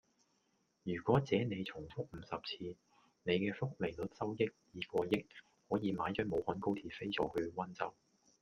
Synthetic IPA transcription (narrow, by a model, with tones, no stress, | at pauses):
jyː˨˩kʷɔː˨˥t͡sɛː˨˥ne˨˧jt͡sʰʊ˨˩ŋfʊ˥k̚m̩˨˥sɐ˨p̚t͡sʰiː˧ | ne˨˧jkɛː˧fʊ˥k̚le˨˩jlɵ˨˥t̚sɐ˥wjɪ˥k̚jiː˨kɔː˧jɪ˥k̚ | hɔː˨˥jiː˨˧maː˨˥jt͡ʃœː˨˥mo˨˧whɔː˨˥nko˥wt̪ʰiː˨˩fe˥jt͡sɔ̰ː˨˥hɵ˨˧ɥwɐ˥nt͡sɐ˥w